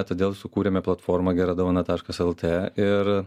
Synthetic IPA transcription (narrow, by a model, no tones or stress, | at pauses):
t̪oːd̪ʲeːlˠsʊkuːɾʲɛmʲɛplˠɐt̪foːɾmɐɡʲɛɾɐd̪ɐʊɐnɐt̪ɑːʃkɐsɛlˠt̪ʰeːɪɾ